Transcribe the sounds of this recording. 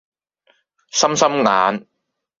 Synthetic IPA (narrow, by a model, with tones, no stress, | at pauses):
sɐ˥msɐ˥mŋaː˨˥n